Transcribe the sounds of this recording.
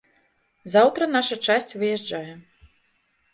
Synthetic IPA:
zawt̪ɾɐnaʂɐt͡ʂasʲt͡sʲvɨjɛʐd͡ʐajɛ

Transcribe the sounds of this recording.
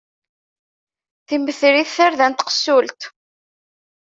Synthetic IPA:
θiməθɾiθːaɾðænt̪qə̥sːult̪

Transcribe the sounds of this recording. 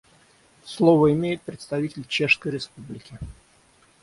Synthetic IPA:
slˠovəɪmʲejɪt̪̚pɾʲɪt̪st̪ɐvʲitʲɪlʲt͡ɕeʂskəjɾʲɪspublʲɪkʲɪ

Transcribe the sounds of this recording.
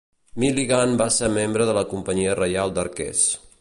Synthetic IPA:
miliɣanbaseɾmembɾəðələkumpəɲiərəjalˠd̪əɾkɛ̰s

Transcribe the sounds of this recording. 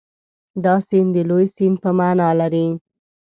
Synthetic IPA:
d̪ɑsind̪əlojsin̚pəmaːnɑlaɾi

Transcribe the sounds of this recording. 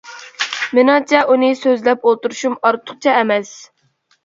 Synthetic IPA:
mɪnɑt͡ʃʰɛʔunɨsøzlɛpolˠt̪uɾuʃumɑɾt̪ʰːʊ̥χ̚t͡ʃʰɛːmɛs

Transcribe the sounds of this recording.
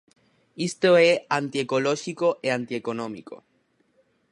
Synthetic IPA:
ist̪oeant̪iekoloʃikoʔeant̪iekonõmḭko̰

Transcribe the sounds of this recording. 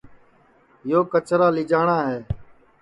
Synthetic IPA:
joːkət͡ʃɾaːlɪd͡ʒaːɳaːɦeː

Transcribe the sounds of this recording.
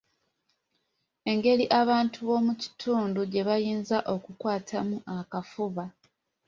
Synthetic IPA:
e̞ŋɡe̞liʔaβaːntʰuβo̞muci̥tʰuːnduɟe̞βajiːnzaʔo̞kukwaːtʰamuʔakafuβa

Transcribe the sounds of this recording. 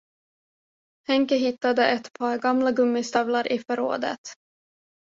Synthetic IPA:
hɛŋkəɦɪt̪ːad̪əʔɛt̪pʰɑːɾɡamlaɡɵmːɪst̪ɑvlaɾʔɪfœɾo̰ːd̪ə̰t̪

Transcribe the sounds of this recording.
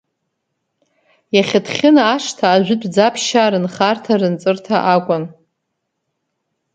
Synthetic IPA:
jaχʲatʰχʲɪnaaʂtʰaːʒʷɪdʷʼd͡zapʰʃaɾɨnχartʰarɨnt͡sʼɨrtʰaʔakʷʼʊn

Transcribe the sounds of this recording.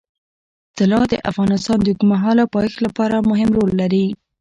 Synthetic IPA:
t̪ɪlɑd̪ə̰ʔa̰fɣɑnɪst̪ɑnd̪əɡmaɦɑlapɑjxlapɑɾamʊɦɪmɾolːaɾi

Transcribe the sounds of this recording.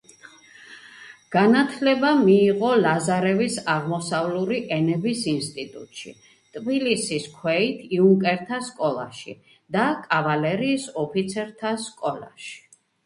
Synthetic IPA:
ɡ̥anat̪ʰlɛbamiːʁɔlazaɾɛvisaʁmɔsavluɾiʔɛnɛbisinst̪ʼit̪ʼṵt̪ʼʃḭ | t̪ʼbilisiskʰwɛit̪ʰiuŋkʼɛɾt̪ʰaskʼɔlˠa̰ʃḭ | d̪akʼavalɛɾiːsɔpʰit̪sʰɛɾt̪ʰaskʼɔla̰ʃi̥

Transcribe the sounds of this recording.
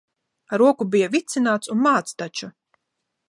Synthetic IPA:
aɾuɔkubijavit̪sinaːt̪sunmaːt̪st̪at͡ʃu

